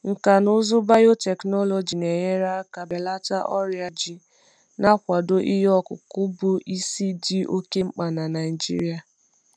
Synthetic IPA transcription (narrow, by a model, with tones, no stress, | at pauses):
ŋ̩˨ka˨nʊ˦zʊ˦ba˦jo˦tɛ˨knɔ˦lɔ˨d͡ʒi˨ne˨je˦ɾa˦ka˨be˨la˦ta˦ʔɔ˦ɾja˨d͡ʒi˨ | na˦kʷa˨do˦ʔi˦jɔ˦kʊ˨kʊ˦bʊ˦i˦si˦di˦ʔo˦ke˦ŋ͡m̩˦k͡pa˨na˨na˨i˨d͡ʒḭ˦ɾi˦a˨